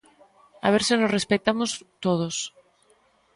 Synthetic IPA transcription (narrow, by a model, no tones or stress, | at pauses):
a̰β̞eɾsɪnosrespet̪amost̪oð̞os